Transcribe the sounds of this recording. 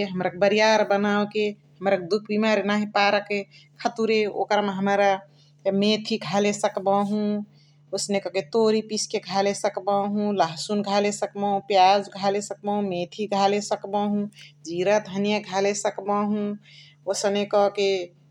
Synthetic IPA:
eɦəmɾakbəɾijaɾbənawke | ɦəmɾaked̪ukʰbimaɾenaɦipaɾəkekʰət̪uɾeo̰kɾameɦəmɾa | met̪ʰiɡʱalesəkbaɦũ | osnekɔket̪oɾipiskeɡʱalesəkbaɦũlaɦsunɡʱalesəkbaɦũpjad͡ʒɡʱalesək̚baɦũmet̪ʰiɡʱalesəkbaɦũd͡ʒiɾət̪ɦənjaɡʱalesəkbaɦũ | osnekɔke

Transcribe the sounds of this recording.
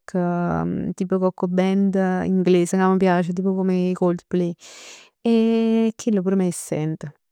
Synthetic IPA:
kʰət̪iːpəkɔkːobɛnd̪ḭŋɡleːsəkamːəp̬jaːt͡ʃət̪̬iːpokomeikold̪plej | ekʰːilːopuɾmɛisːɛ̰nt̪ə

